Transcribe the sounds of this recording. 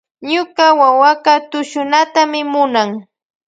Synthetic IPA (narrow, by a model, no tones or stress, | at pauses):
ɲʊkawawakat̪ʊʃʊnat̪amɪmʊnaŋ